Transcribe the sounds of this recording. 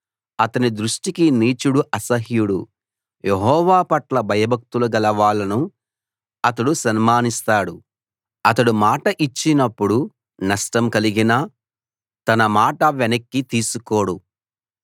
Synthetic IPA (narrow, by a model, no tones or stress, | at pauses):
ɐt̪ɐnid̪ɾuʂʈikiniːt͡ʃuɽuʔɐsɐɦjuɽṵ | jʔeɦɔːʋaːpɐʈlɐbʱɐjɐbʱɐk̚t̪uluɡɐlɐʋaːɭːɐnu | ɐt̪ɐɽusɐnmaːnist̪aːɽu | ɐt̪ɐɽumaːʈɐʔit͡ʃːinɐpːuɽu | nɐʂʈɐmkɐliɡina | t̪ɐnɐmaːʈɐʋenɐkːit̪iːsukoːɽu